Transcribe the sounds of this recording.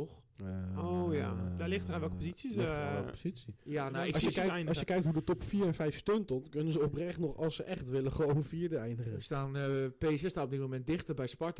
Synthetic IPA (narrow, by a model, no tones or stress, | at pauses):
ox | ojadalɪxtəranʋɛlˠkəpozisistʋɛlˠkəpoz̥isijanaɪɔsjəɛjjnɔsjəkɛjk̚tɦudətɔpfiːɹɛnfɛjfstøntɔtkønənzəoprɛχtnɔχɔlˠsəʔɛχtʋɪləχəʋownfiəɹdəɛjndəχəəstaːnpeːsɛstaːtop̚ditmomɛnt̚dɪxtərbɛjspɔɹt